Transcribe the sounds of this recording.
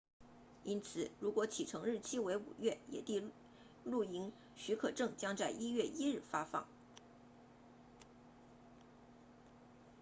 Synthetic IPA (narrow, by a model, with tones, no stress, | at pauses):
i˥nt͡sʰɹ̩˨˩ɻu˧˥kwɔ˧˥t͡ɕʰi˨˩ʈ͡ʂʰɤ˧˥ŋɻɻ̩˥˩t͡ɕʰi˥we˧˥ɪṵ˨˩ɥɛ˥˩jɛ̰˨˩t̪i˥˧ | lu˥˩i˧˥ŋ | ɕy˧˥kʰɤ˨˩ʈ͡ʂɤ˥˩ŋt͡ɕjɑ˥ŋt͡sa˥˩ɪʔi˥ɥɛ˥˩ʔi˥ɻɻ̩˥˩fa˥fɑ̰˥˩˦ŋ